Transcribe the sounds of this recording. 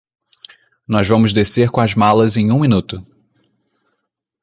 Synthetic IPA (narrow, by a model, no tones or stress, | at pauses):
nɔzvɐ̃mʊzd̪eseɾkõɐzmalɐzẽj̃ũmĩnut̪ʊ